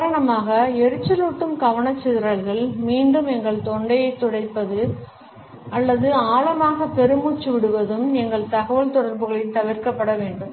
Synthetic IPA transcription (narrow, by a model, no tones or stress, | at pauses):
kaːɾɐɳɐmaːɣɐɛɾɯt͡ʃːɐluːʈːɯmkɐʋɐɳɐt͡ʃːɪðɪɾɐɾɣɐɭmiːɳɖɯmɛŋɡɐɭt̪ɔɳɖɐjɐɪt̪ːɔɽɐɪpːɐðɯ | ɐlːɐðɯaːlɐmaːɣɐpɛɾɯmuːt͡ʃːɯʋɪɽɯʋɐðɯmɛŋɡɐɭt̪ɐɣɐʋɐɭt̪ɔɽɐɾbɯɣɐɭɪnt̪ɐʋɪɾkɐpːɐɽɐʋeːɳɖɯm